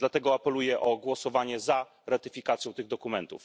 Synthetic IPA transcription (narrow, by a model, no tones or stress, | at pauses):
d̪lat̪ɛɡɔapɛlujɛʔɔɡwɔsɔvaɲɛza | ɾat̪ɘfʲikat̪sʲjɔ̃w̃t̪ɘɣd̪ɔkumɛnt̪ṵf